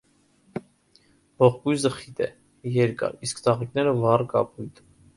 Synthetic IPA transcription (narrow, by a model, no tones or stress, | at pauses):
bɔʁkujzəχit̪ɛ̰ | jɛɾkɑ̰ɾiskt̪ɑʁik̚nɛɾəvɑrkɑ̰pʰujt̪ʰ